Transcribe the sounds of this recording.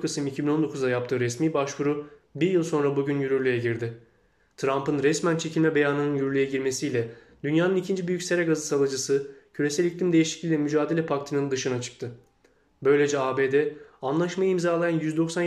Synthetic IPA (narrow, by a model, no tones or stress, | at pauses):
kʰɯsɯmicʰibino̞nd̪o̞kʰuzd̪ajap̚t̪ʰɯːɾɛsmiːbaʃkuɾubiɾjɯlˠso̞nɾabuɟynjyɾyɾlʲyjɛɟiɾd̪ɪ | t̪ʰɾampɯnɾɛsmænt͡ʃʰe̞cʰilʲmɛbe̞jaːnɯnɯnjyɾylʲyjɛɟiɾme̞sijlʲɛ | d̪̥ynjaːnɯnicʰind͡ʒibyjycʲse̞ɾɛɡazɯsalˠɯd͡ʒɯsɯcʰyɾe̞sælʲiclʲimd̪e̞jiʃi̥clʲiːlʲɛmyd͡ʒaːd̪e̞lʲɛpʰakt̪ʰɯnɯnd̪ɯʃɯnat͡ʃʰɯ̥k̚t̪ʰɯ | bø̞jlʲe̞d͡ʒɛaːbeːd̪ɛanlˠaʃmajɯimzaːlˠajanjyzd̪o̞ksan